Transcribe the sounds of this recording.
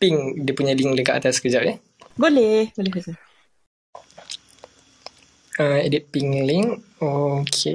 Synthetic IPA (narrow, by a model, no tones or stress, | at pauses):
piŋdiəpuɲaliŋləkaʔat̪askəd͡ʒaʔjɛ | ɡolɛhɡolɛhesa | əedit̪̚piŋliŋokʰe